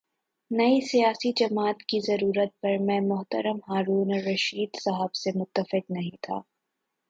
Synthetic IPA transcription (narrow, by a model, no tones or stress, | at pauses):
nɐisijaːsid͡ʒɐmaːt̪kizɐɾuːɾət̪̚pɐɾmɛ̃mʊɦt̪əɾəmɦaːɾuːnɾɐʃiːd̪sɐɦəbsemʊt̪ːəfɪqnɐɦĩt̪ʰa̰ː